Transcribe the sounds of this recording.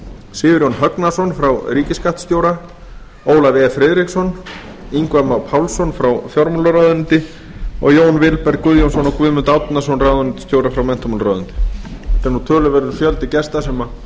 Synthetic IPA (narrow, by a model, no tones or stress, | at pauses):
sɪːvɪɾjɔnɦœknasɔnfɾawɾiːcɪskaht̪st̪joːwɾa | oːwlavɛːfɾɪːðɾɪksɔn | iŋkwɛmawpʰawlsɔnfɾawfjɔɾmulaɾaðʏnt̪ɪ | ɔ̰ɣjoːwnvɪlpɛɾkʏðjomsɔnɔkvʏðmʏnt̪awt̪nas̬ɔnrawðʏnnt̪ɪ̥st̪joːwɾafɾawmɛn̥t̪ɔmulɾɔːðʏnt̪ɪ̥ɛ̥t̪ɛɾnut̪ʰœːlʏvɛɾʏɾfjœlt̪ɪcɛst̪asɛma